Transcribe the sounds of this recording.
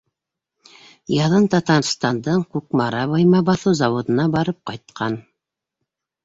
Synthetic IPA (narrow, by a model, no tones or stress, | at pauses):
jɑðɤnt̪ɑt̪ɑrst̪ɑnd̪ɤɴkʉk̚mɑɾɑβɑjmɑbɑθɤwzɑwŏd̪ɤ̆nɑbɑɾɤp̚qɑjt̪̚qʰɑn